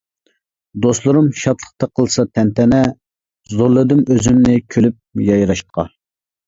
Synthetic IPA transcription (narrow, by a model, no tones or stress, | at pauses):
d̪oslˠuɾumʃɑt̪ʰlˠə̥χt̪ɑqʰəlˠsɑt̪ʰɛnt̪ʰɛnɛ | zoɾlˠɨd̪ɨmøzymnɪkʲʰølyp̚jɑjɾɑʃt̪ə̥qʰɑ̰